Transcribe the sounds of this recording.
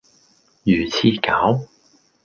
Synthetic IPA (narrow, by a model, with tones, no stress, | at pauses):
jyː˨˩t͡sʰiː˧kaː˨˥w